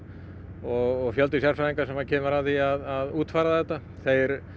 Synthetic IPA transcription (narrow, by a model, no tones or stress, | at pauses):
ɔɣɔɣfjœlt̪ɪs̬jaɾ̥saðiŋkasɛmacʰɛːmʏɾavθiaðaðuːt̪faːɾaðɛht̪ːa | θejɾ